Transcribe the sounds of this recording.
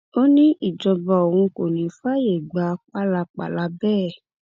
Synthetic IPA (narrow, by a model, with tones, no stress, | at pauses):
o˦nĩ˦i˦˨d͡ʒɔ˧ba˧o˨hũ˧ko˨nĩ˨fa˦je˨ɡ͡ba˧˦k͡pa˦la˧k͡pa̰˨la˧bɛː˦˨